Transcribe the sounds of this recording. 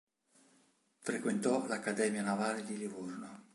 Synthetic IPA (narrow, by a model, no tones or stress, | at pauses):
fɾekwent̪ɔlakːad̪ɛːmjanavaːled̪ilivorno